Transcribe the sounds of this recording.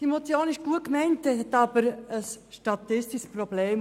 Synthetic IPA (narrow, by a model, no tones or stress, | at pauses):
d̥iemot͡sjoːnɪʃɡ̥uət̚kmɛɪnt̚d̥ɛhɛtɑːbəɾəs | ʃtɑtɪstɪʃsprobleːm